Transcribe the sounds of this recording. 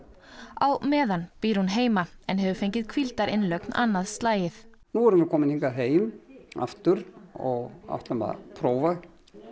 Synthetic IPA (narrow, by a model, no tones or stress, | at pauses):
a̰wmɛːðanpiːɾhunɦeːjmaɛnɦɛvʏfejɲcɪðkʰvilt̪aɾɪnlœkna̰nːaðst̪laːjɪθ | nuɛɾʏmvɪkʰɔːmɪniŋkaɦeːjma̰ft̪ʏɾɔɣa̰wht̪lama̰pʰɾoːwvaɣ